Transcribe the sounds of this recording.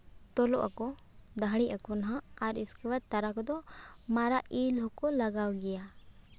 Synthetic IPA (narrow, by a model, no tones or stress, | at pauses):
t̪ɔlɔʔa̰kɔd̪ʱaɽ̃iʔakɔnɦaaɾiskɛwat̪ːaɾakɔd̪ɔmaɾaʔilɦɔkɔlaɡawɡɛja